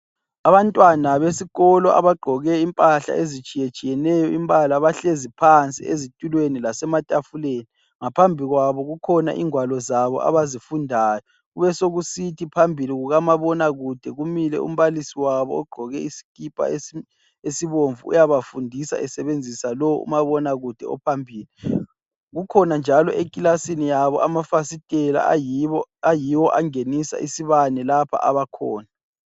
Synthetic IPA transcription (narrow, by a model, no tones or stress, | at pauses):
aβantʼwanaβesiɣɔlɔʔa̰βaɡ͡ǃʱɔɣɛimpʼaɬa̰ʔezit͡ʃʼijet͡ʃʼijɛnɛjɔimbʼalaβaɬezipʰant͡sʼḭezitʼulwenilasɛmatʼafuleːni | ŋapʰambʱiɣwaβɔɣukʰɔna̰ʔiŋwalɔzaβɔ̰ʔa̰βazifundʱaːjɔ | ɣuβɛsoɣusitʰipʰambʱiliɣuɣamaβɔnaɣud̥ʱɛɣumilɛ̰ṵm̩βalisiwaβɔ̰ɔɡ͡ǃʱɔɣɛisi̥kʼipʼa̰ | esiβoɱvuṵjaβafundʱisa̰ʔɛsɛβend͡zʱisalɔw̰ṵmaβɔnaɣud̥ʱɛ̰ɔ̰pʰambʱiːli | ɣukʰɔnand͡ʒʱalɔʔekʼilasinijaβɔʔamafasitʼɛla̰ | ajiwɔʔaŋenisa̰ʔisiβanɛlapʰa̰ʔa̰βakʰɔːna